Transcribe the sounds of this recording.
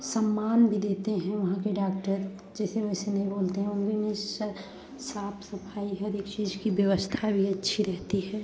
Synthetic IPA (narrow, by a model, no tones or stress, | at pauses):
səmːaːnbʱid̪eːt̪eɦɛ̃ʋɐɦãkeɖaːkʈəɾ | d͡ʒɛːseʋoɦsenɐɦĩboːlt̪eɦɛ̃ʊnbʱimẽs | saːpʰsɐpʰaːiɦɐd̪eːkt͡ʃiːd͡ʒkibjəʋəst̪ʰabʱiɐtːʃʰiɾɛɦt̪iɦɛː